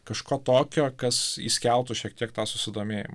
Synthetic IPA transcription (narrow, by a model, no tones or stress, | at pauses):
kɐʃkoːt̪oːkʲoːkɐsḭːsʲkʲɛlˠt̪ʊʃʲiɛk̚t̪ʲiɛk̚t̪ɑːsʊsʲɪd̪oːmʲeːjɪ̰mɐ